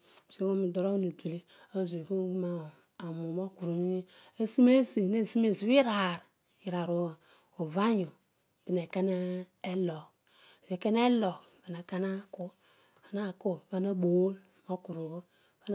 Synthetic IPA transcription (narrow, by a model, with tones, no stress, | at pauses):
se˦wo˦mi˨do˨ɾo˦nu˨di˨le˦ | a˦˨ze˨ko˦ɡu˦ma˦˨ | a˨mu˨mo˦ku˨ɾo˨ni˦ | a˦si˦me˦si˨ne˦˨si˦me˨zi˨˦wi˦ɾa˨ɾ | ji˨ɾa˨ɾo˦wa˨ | o˨va˦ɲo˨ | b̥i˨ne˨ka˦na˦e˦lo˨k | ve˨ke˦n˦e˦lo˨k | v̥i˨na˨ka˦na˦ku˦ | a˨na˦˨ko˦va˦na˦bo˨˦l | mo˦ku˨ɾo˨o˦ | va˦n